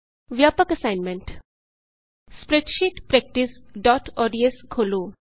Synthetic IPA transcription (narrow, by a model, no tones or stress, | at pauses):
ʋjaːpəkɐsaɪnmẽɳʈ | spɾeʈʃiʈpɾɛk̚ʈisɖɔːʈɔːɖieskʰoːloː